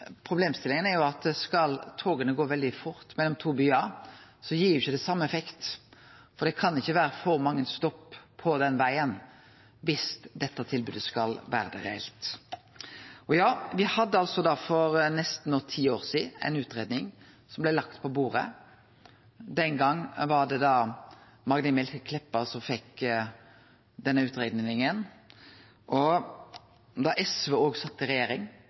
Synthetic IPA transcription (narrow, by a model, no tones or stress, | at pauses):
pʰɾʊbleːmst̪ɪlɪŋənæɾjʊɑt̪ɛskɑlt̪ʰoːɡənəɡoːʋɛld̪ɪfʊɾt̪mɛlːɔmt̪ʰuːbyːɑsɔjiːʁjʊɪçəd̪ɛsɑmːəɛfɛkt̪ | fɔɾd̪ɛkʰɑnɪçːəʋæːɾəfɔɾmɑŋːənst̪ɔpʰːɔd̪ɛnʋæɪən | ʋɪsd̪ɛt̪ːət̪ʰɪlbʉːd̪əskɑlʋæ̰ːɾəd̪ɛɾɛ̰ɛ̰lt̪ | ɔjɑːʋɪhɑd̪ːəɑlsɔd̪ɑːfɔɾnɛst̪n̩ɔːt̪ʰiːoːʁsiːdæ̰ɪnʉːt̪ɾeːd̪nɪŋ | sɔmblɛɪlɑkt̪pʰɔbuːɾə̰ | d̪ɛŋɡɑŋːʋɑʁd̪ɛd̪ɑː | mɑɡd̪ɪmɪləkʰlɪpːɑsɔmfɛk | d̪ɛnːəʉːt̪ʁeːd̪ɪŋən | ʔɔ | d̪ɑʔɛsʋøːoːɡsɑt̪ːɪʁɛjeːɾɪŋ